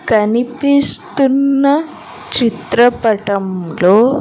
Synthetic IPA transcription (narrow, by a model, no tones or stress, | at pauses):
kɐnipist̪unːɐ | t͡ʃit̪ɾɐpɐʈɐmloː